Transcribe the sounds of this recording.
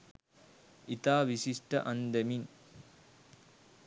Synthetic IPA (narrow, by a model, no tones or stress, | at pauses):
it̪aːʋisiʂʈɐ̰ʔɐnd̪emin